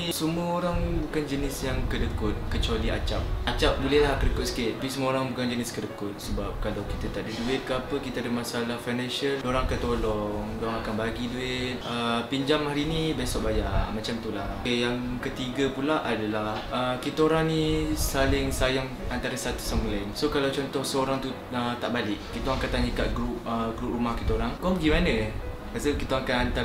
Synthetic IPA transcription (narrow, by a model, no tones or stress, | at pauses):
səmuəoɾaŋbukand͡ʒənɪsjaŋkədəkʊt̪̚kət͡ʃualia̰t͡ʃap̚at͡ʃap̚bulɛhlahkədəkʊt̪sə̥kɪt̪̚pisəmuəoɾaŋbukand͡ʒənɪskədəkʊt̪̚səbap̚kalawkit̪at̪aʔdiduɪt̪̚kəapəkit̪əadəmasalahfajnãnʃəldoɾaŋakət̪olɔŋdoɾaŋakanbaɡiduɪt̪̚əpiɲd͡ʒamɦaɾinibesɔʔ̚bajamat͡ʃamt̪ula | ejaŋ | kət̪iɡəpulaʔadalahəkit̪əoɾaŋnisalɪŋsajaŋant̪aɾəsat̪u̥səmulajnsokalawt͡ʃɔnt̪ɔhsəoɾaŋt̪u | ət̪aʔbalɪʔkit̪oŋakant̪aɲəkaʔɡɾup̚əɡɾup̚rumahkit̪oɾaŋkɔɡimanə̃ | kasəkit̪oŋakanant̪a